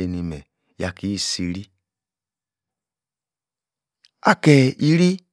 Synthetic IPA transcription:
e˧ni˧mɛ˨ | ja˨ki˨˦˨si˧ɾi˦ | a˦˨kɛ˧i˧ɾi˦

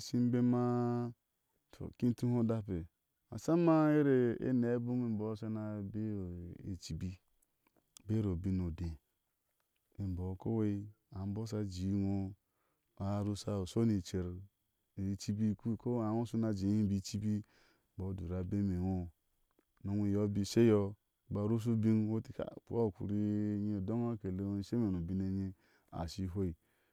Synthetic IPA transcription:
si˦m˦be˦ma˦ | to̰˨ki˦tu˦ho˦da˦pe˨ | a̰˨sa˦ma˦e˦ɾe˨ḛ˦ne˨˦bu˦mi˨m̩˨bo˨˦sa˦na˦be˦˨e˨t͡ʃi˦bi˦ | be˦ɾo˨bi˦no˨de˨ | e˨m˨bo˨˦ko˦we˦ | a˨m˦bo˦s̬a˦d͡ʒi˨˦wo˦ | a˨˦ɾu˦sa˦o˨so˦ni˨t͡ʃe˨ɾ | t͡ʃi˦bi˦ku˦˨ko˦a˨ŋo˦su˦na˨d͡ʒe˨˦i˦bi˦t͡ʃi˦bi˦ | bo˨˦du˨ɾa˨be˦me˨no˦ | no˨ŋʷi˨jo˦bi˦se˦jɔ˦˨ | ba˨ɾu˦s̬u˦bi˦ŋ˦wo˦ti˨ka̰˨pṵ˦o˦˨kṵ˨ɾi˦ɲe˦˨do˦ŋ˦o˦ke˨le˦˨se˦me˨no˨bi˦ne˨ɲi˦ | a̰˨si˦ɦo˦i˨

